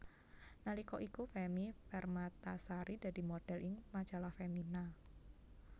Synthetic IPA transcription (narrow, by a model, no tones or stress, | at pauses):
nalikɔʔikufɛmifɛrmat̪asaɾid̪̥a̤di̤mod̥ɛ̤lʔɪŋmad̥d͡ʒ̥alahfemina